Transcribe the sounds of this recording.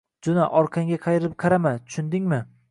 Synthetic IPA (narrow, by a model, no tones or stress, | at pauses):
d͡ʒʊnaʔɒɾqʰɑŋɡʲaqʰɑjɪɾɪɾɪp̚qʰɑɾamant̪ʰʊ̥ʃʊnd̪ɪŋmɪ